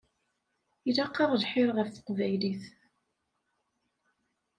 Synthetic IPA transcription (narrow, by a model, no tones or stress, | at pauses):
ilɑqːɑðˤlħɪɾʁəfθə̥qːvæjliθ